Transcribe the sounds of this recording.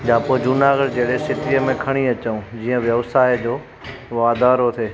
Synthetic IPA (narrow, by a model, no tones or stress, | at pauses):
ɗaːpod͡ʑʊnaːɡəɽd͡ʑeːɽesɪt̪ijəmẽkʰɐɽ̃iɐt͡ɕəũd͡ʑiːə̃ʋjəʋsaːjd͡ʑoː | ʋaːd̪aːɾot̪ʰeː